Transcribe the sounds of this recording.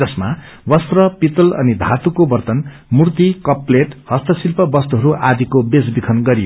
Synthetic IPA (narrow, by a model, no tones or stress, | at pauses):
d͡zʌsma | wʌst̪rʌpit̪ulʌ̰nid̪ʱat̪ukobʌrt̪ʌn | murt̪ikʌpleʈhʌst̪ʌsilpʌbʌst̪uɦʌɾuʔad̪ikobesbikʰʌnɡʌɾijo